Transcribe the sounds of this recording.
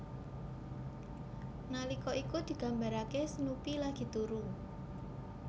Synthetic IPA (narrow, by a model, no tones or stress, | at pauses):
nalikɔʔikud̪̥i̤ɡ̥a̤mbaɾakesənupilaɡ̥i̤t̪uɾu